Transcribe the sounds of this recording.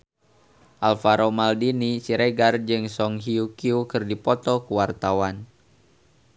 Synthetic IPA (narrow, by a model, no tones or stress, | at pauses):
ʔalfaɾomaldinisiɾeɡard͡ʒɨŋsɔŋɦiukiukɨrdipɔt̪ɔkuwart̪awan